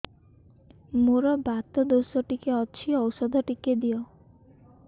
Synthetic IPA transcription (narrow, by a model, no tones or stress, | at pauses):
moɾɔbat̪ɔd̪osɔʈikeɔt͡ʃʰiɔwsɔd̪ʱɔʈiked̪iɔ